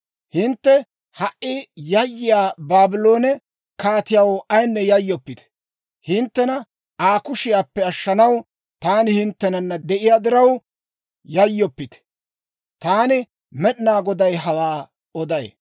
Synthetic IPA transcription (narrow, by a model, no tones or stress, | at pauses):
hɪnt̪ːɛ | hɐʔɪjɐjːɪjaːbaːbɪlo̞ːnɛ | kaːt̪ɪjawɐjnːɛjɐjːɔpːɪt̪ɛ̥ | hɪnt̪ːɛnɐ | aːkʊʃɪjaːpːɛɐʃːɐnɐw | t̪aːnɪhɪnt̪ːɛnɐnːɐd̪ɛʔɪjaːd̪ɪɾɐw | jɐjːɔpːɪt̪ɛ̥ | t̪aːnɪ | mɛɗɪnaːɡɔd̪ɐjɦɐwaː | ɔd̪ɐj